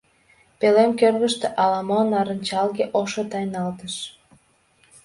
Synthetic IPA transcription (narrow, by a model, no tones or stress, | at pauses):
pelemkørɣəʃt̪eʔɑlɑmonɑɾənʲt͡ɕɑlɣeʔoʃot̪ɑjnɑlt̪əʃ